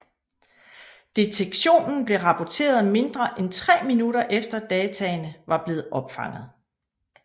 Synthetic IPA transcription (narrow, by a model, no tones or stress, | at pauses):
d̥e̝t͡sʰeɡ̥ɕo̝̰ːnn̩b̥le̝ʁɑ̈pʰɒt͡sʰe̝̰ːɐð̩ˠme̝nd̥ʁɐʔent͡sʰʁɛ̰ːminuɾɐʔefd̥ɐd̥ɛːt͡sʰɛnəʋɑ̈b̥le̝ːð̩ˠɒ̽b̥fɑ̈ŋ̰ð̩ˠ